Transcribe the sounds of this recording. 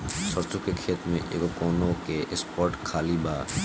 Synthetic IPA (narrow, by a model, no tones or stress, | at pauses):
ʃɔɾt͡ʃokekʰet̪mḛʔḛɡokɔnokeʔespɔɾʈkʰaliba